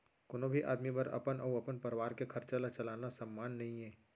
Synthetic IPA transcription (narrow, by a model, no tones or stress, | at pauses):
koːnõbʱiʔa̰ːd̪mibɐɾɐ̰pənɔːɐpənpɐɾʋaːɾkekʰɐɾt͡ʃalat͡ʃɐlaːnasɐmːaːnːɐɦĩɦɛː